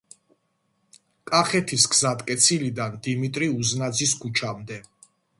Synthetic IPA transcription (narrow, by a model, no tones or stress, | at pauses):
kʼaχɛt̪ʰisɡzad̪kʼɛt̪sʰilid̪and̪imit̪ʼɾiuznad̪ziskʰut͡ʃʰamd̪ɛ